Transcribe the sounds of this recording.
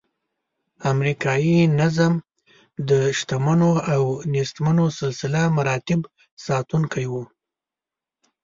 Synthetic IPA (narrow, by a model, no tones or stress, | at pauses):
amɾikɑjinazam | d̪əʃt̪amanoawnist̪manosɪlsɪlamaɾɑt̪ɪb | sɑt̪unkʰajwu